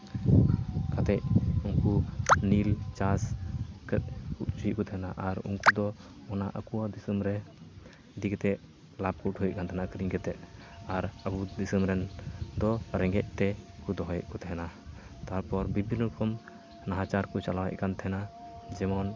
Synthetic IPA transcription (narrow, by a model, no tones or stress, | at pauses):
kat̪ɛʔ̚uŋkunilt͡ʃaskɛuʔ̚t͡ʃujiʔkɔt̪ʰɛɦɛnaʔaɾṵŋkud̪ɔ | ɔnaʔəkuwad̪isəmɾɛ | d̪ikɛt̪ɛʔ | lab̚kuʔʈʰhujɛʔ̚kant̪ʰɛnakɾiɲkɛt̪ɛt̪̚ | aɾəbud̪isəmɾɛnd̪ɔɾɛŋɡɛʔ̚t̪ɛkud̪ɔɦɔjɛ̰ʔkɔt̪ɛɦɛna | t̪aɾpɔɾbibʱinupʰɔm | naɦat͡ʃaɾkɔt͡ʃalawɛ̰ʔ̚kant̪ʰɛɦɛnad͡ʒɛmɔn